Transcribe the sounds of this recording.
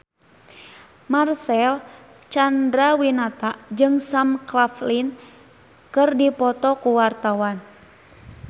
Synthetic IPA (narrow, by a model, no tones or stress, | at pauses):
marsɛl | t͡ʃandɾawinat̪ad͡ʒɨŋsamklaflin | kɨrdipɔt̪ɔkuwart̪awan